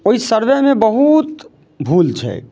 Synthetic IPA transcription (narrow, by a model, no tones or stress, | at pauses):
oisəɾbɛmẽbəɦut̪ | bʱult͡ʃʰɛ̰